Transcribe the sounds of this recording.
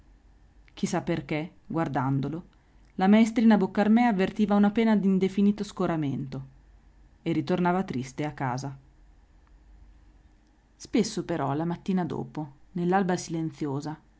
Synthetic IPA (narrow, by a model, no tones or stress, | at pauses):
k̟isapːerk̟e | ɡward̪and̪olo | lamaest̪ɾiːnabokːarmɛːavːert̪iːvaunapɛːnad̪ind̪efiniːt̪oskoɾament̪o | erit̪ornaːvat̪ɾist̪eakːa̰ːza | spesːopeɾɔlamat̪ːiːnad̪o̰ːponelːalbasilent̪sjoːza